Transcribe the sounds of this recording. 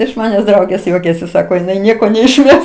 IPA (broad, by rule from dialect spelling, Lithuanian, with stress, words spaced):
ɪʃ mɐˈnʲæːs ˈdrɐʊɡʲeːs ˈjuɔkʲɛsʲɪ ˈsɑːkoː jɪˈnɐɪ ˈnʲiɛkoː nʲɛɪʃʲˈmʲɛs